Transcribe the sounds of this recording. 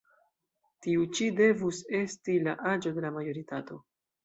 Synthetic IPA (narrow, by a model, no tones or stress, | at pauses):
tiut͡ʃide̞vuse̞stilaʔad͡ʒo̞de̞lamajo̞ɾitato̞